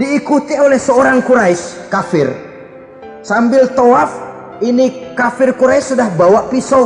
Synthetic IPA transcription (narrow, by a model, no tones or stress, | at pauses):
diːkut̪iolɛhsəoɾaŋkuɾaɪskafɪr | sambɪlt̪oaf | inikafɪrkuɾaɪsːudahbawaʔpiso